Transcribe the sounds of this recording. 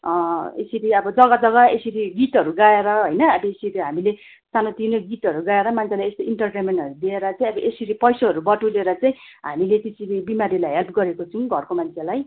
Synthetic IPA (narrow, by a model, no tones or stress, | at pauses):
ḛsiɾiʌbʌd͡zʌɡad͡zʌɡaesiɾiɡitɦʌɾuɡaeɾʌɦojnʌbʌesiɾiɦamile | sanot̪inoɡit̪ʌɾuɡaeɾʌmant͡sʰelajest̪oiɳʈʌrʈemeɳʈɦʌɾud̪ieɾʌt͡saj̃ʌbʌʔesiɾipʌjsoɦʌɾubʌʈuleɾʌt͡saĩ | ɦamilet̪esiɾibimaɾilajɦelpɡʌɾekot͡sʰuũɡʱʌrkomant͡sʰelaj